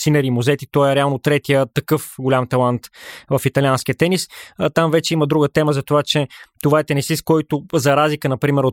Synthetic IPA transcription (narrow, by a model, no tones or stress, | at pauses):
sinɛɾiːmuzɛt̪it̪ɔɛɾɛalˠnot̪ɾɛt̪iət̪ɐkɤfɡʊlʲamt̪ɐlˠant̪vɐfit̪ɐlʲanskʲiət̪ɛnist̪amvɛt͡ʃɛiməd̪ɾuɡət̪ɛməzɐt̪ovat͡ʃɛt̪ovaɛt̪ɛnɛsiskɔjt̪ʊzɐɾazlikənɐpɾimɛɾo